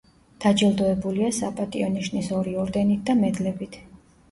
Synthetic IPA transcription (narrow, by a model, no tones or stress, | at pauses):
d̪̥ad͡ʒilˠd̪ɔɛbuliasapʼat̪ʼiɔniʃnisɔɾiɔɾd̪ɛnit̪̚ʰd̪amɛd̪lɛbit̪ʰ